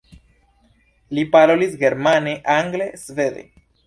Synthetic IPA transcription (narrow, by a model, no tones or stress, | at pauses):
lipaɾo̞lisɡe̞ɾmane̞ʔaŋɡle̞sve̞d̪ḛ